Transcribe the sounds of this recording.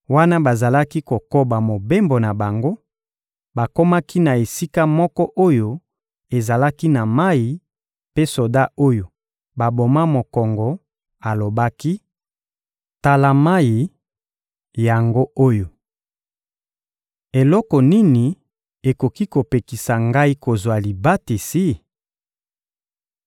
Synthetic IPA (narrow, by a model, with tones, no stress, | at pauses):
wa˦na˦ba˨za˨la˦ki˦ko˨ko˦ba˨mo˨be˦mbo˨na˨ba˨ŋɡo˦ | ba˨ko˦ma˦kʰi˦na˨e˨si˦ka˦mɔ˦kɔ˦ʔo˦jo˦ | e˨za˨la˦ki˦na˨ma˦ji˨ | pe˦so˨da˦o˦jo˨ | ba˨bo˨ma˦mo˨kɔ˨ŋɡɔ˨ | a˨lo˨ba˦ki˦ | ta˨la˨ma˦ji˨ | ja˨ŋɡo˦o˦jo˨ | e˨lɔ˦kɔ˨ni˦ni˨ | e˨ko˨ki˦ko˨pe˨ki˨sa˨ŋɡa˦i˦ko˨zwa˨li˨ba˦ti˨si˦